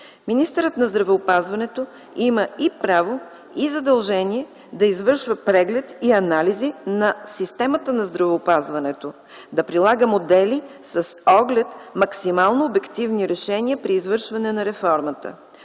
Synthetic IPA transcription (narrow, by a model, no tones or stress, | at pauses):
minist̪əɾət̪nɐzd̪ɾɐvɛopazvɐnɛt̪o | iməipɾavo | izɐd̪ɐlˠʒɛnʲiɛ | d̪ɐizvɤɾʃvəpɾɛɡlɛt̪iɐnalizinɐsist̪ɛmət̪ənɐzd̪ɾɐvɛopazvɐnɛt̪o | d̪ɐpɾilˠaɡəmod̪ɛlisɐsɔɡlɛt̪mɐksimalˠnoːbɛkt̪ivniɾɛʃɛniəpɾiːzvɤɾʃvɐnɛnɐɾɛfɔɾmət̪ə̰